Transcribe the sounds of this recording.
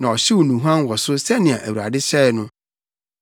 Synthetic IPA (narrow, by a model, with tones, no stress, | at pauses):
nã˨ɔ˨ɕi˦wɔ˨nũ˨ɦã˦nwɔ˨sʊ˦sɛ˦nɪ̃˨ã˨ʔæ˨wu˨ɾa̰˨dɪ˦ɕɛ˦˨nʊ̃˦